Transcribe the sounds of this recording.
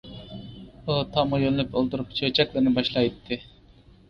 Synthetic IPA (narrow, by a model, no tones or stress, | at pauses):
ut̪ʰɑmɑjonlypolˠt̪uɾup̚t͡ʃʰøt͡ʃʰɛklˠɨɾnɪbɑʃlˠɑjt̪ʰːɪ